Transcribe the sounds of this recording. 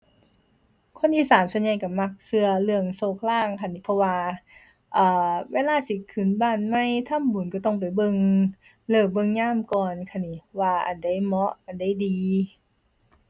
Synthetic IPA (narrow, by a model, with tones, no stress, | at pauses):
kʰo˧˥˨nʔiː˧˩saː˨˦nsu˧ənɲa˧˩jka˧˩ma˧˩k̚sɯ˧ɐlɯ˧əŋsoː˧˩k̚laː˧˥˩ŋkʰa˧˩˨nːi˧˩pʰɔ˧waː˧ | ʔaː˧˩weː˧˨laː˧˨si˧˦kʰɯː˨˩˦nbaː˧˩˨nma˧˥˨jt̪ʰa˧˥˨mbu˨˦nka˧˩t̪ɔ˧˩ŋp̬a˨˩jbɤ˧˨ŋ | lɤː˧˩bɤ˧˨ŋɲaː˧˥˨mkɔː˧˨nkʰa˧˥˩ni˧˩˦waː˧ʔa̰˨˩nda˧˥˩jmɔ˧˥ʔʔa˨˩nda˧˥˨jdiː˧